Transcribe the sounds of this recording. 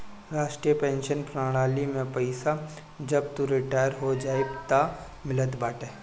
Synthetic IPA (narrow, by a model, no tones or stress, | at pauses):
ɾaːʃʈɾijəpẽːnʃənpɾaːɽ̃aːlimẽpəɪsa | d͡ʒɐb̚t̪uɾɪʈaːjəɾɦod͡ʒaːebt̪a | mɪlət̪baːʈeː